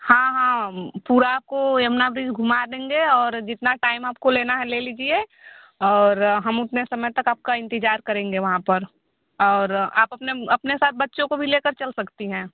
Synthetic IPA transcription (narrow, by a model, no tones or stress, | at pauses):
hãɦãpuːɾaːp̚kojɐmnabɾid͡ʒɡʱʊmad̪ẽːŋɡeɔːɾd͡ʒɪt̪naʈaːɪmaːp̚koleːnaɦɛ̃leːliːd͡ʒie | ɔːɾɦɐmʊt̪nesɐməjt̪ɐkaːp̚kaɪ̃nt̪ɪd͡ʒaːɾkɐɾẽːŋɡeʋɐɦãpəɾ | ɔːɾa̰ːpɐpneɐpnesaːt̪̚ʰbɐtːʃõkobʱileːkəɾt͡ʃɐlsɐkt̪iɦɛ̃ː